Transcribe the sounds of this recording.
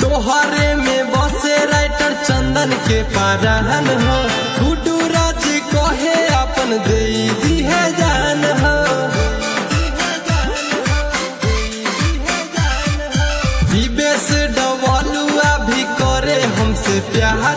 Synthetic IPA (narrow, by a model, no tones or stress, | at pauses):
t̪oɦaɾemebɔseɾajʈəɾt͡ʃənd̪ənkepaɾaɦənɦə̃ | kuɖuɾat͡ʃikɔɦeapənd̪eid̪iɦɛd͡ʒanɦə | bibesɖɔbɔluabʱikɔɾeɦəmsepjaɦ